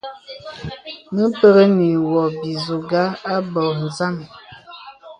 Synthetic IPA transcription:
nə˦pə˦ɣə˦ni˨wɔ˨bi˨zu˨ɡa˦a˦bɔ˨n̩˨za˦mi˨

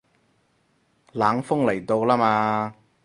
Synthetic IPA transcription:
laː˨˥ŋfʊ˥ŋlɐ˨˩jt̪o˧wlaː˥maː˧

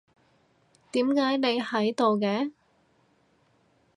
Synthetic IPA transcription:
t̪iː˨˥mkaː˨˥jne˨˧jhɐ˨˥jt̪o˨wkɛː˧˥

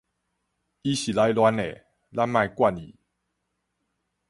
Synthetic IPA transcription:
i˧˦ɕi˨˩la˧˦jlwa˧ne˨ | la˦nmã˥˧jkwa˥˧nḭ˨˩

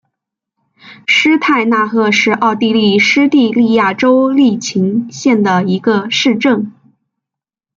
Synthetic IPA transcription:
ʂɻ̩˥t̪ʰa˥˧ɪna˥˧xɤ˥˧˩ʂɻ̩˥˧ʔɑ˥˧ʊt̪i˥˧li˥˩ʂɻ̩˥t̪i˥˧li˥˧ja˥˩ʈ͡ʂo˥ʊli˥˩t͡ɕʰi˧˥ŋɕjɛ˥˩nd̪ə˩i˧˥ɡə˧ʂɻ̩˥˧ʈ͡ʂɤ˥˩ŋ

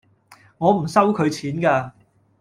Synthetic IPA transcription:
ŋɔː˨˧m̩˨˩sɐ˥wkʰɵ˨˧ɥt͡sʰiː˨˥nkaː˧

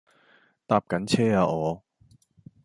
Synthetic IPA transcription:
t̪aː˧p̚kɐ˨˥nt͡sʰɛː˥aː˧ɔː˨˧

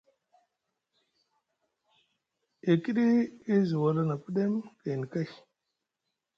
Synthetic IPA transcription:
e˨ki˦ɗi˦i˦zu˨wa˨la˦na˨pə˦ɗe˦mke˨ni˨ka˦j

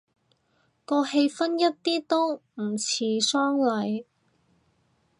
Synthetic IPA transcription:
kɔː˧he˧jfɐ˥njɐ˥t̚t̪iː˥t̪o˥wm̩˨˩t͡sʰiː˨˥sœː˥ŋlɐ˨˥j

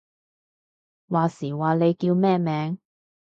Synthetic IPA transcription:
waː˨siː˨˩waː˨˩le˨˧jkiː˧wmɛː˥mɛː˨˧ŋ

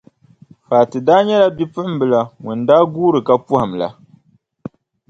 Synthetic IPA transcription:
faː˨tɨ˨daː˦ɲɛ˦la˦bi˦pɨ˦ʔm˦bɨ˦la˨ŋʊ˨ndaː˦ɡuː˦ɾɨ˨ka˦pu˦ha˨mla̰˨

